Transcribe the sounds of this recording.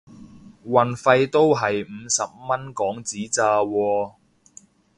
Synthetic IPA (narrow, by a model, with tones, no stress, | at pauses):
wɐ˨˩nfɐ˧jt̪o˥wɦɐ˨jm̩˨˧˦sɐ˨p̚mɐ˥nkɔː˨˥ŋt͡siː˨˥t͡saː˧wɔː˧